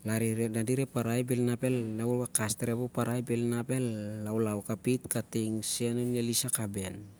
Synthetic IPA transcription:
laɾiɾedadiɾepaɾajbelnape̞lːawowakasteɾebopaɾajbelnabe̞lːawlawkapitkatiŋsenonjelisakaben

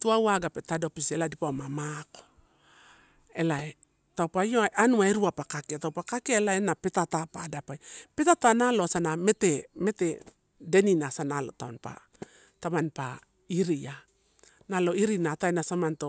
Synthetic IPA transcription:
tuawaɡapetado̞piseladipamamako̥ | e̞lae | tawpajjoaʔanuaeɾuapakakiatawpakakeaelaenape̞tatapadapajpe̞tatanaloasaname̞teme̞te | de̞ninasanalo̞̰taonpa̰ | tamanpa̰ | iɾia | nalo̞iɾinataenasamanto

